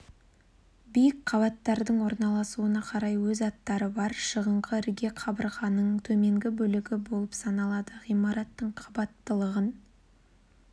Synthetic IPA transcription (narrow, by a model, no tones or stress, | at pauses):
bijɪkqʰɑβɑt̪ːɑɾd̪əɴwo̞ɾnɑlˠɑsuənɑqʰɑɾɑjwɵzɑt̪ːɑɾəbɑɾʃəʁəɴqəɪɾɡʲe̞qʰɑbəɾʁɑnəɴt̪ʰɵme̞ŋɡʲɪbɵlɪɡʲɪbo̞lˠəpsɑnɑlˠɑd̪əʁijmɑɾɑt̪ːəɴqʰɑbɑt̪ːəlˠəʁən